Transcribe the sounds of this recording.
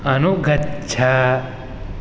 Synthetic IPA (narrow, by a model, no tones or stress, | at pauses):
ɐnuɡʱɐtt͡ʃʰa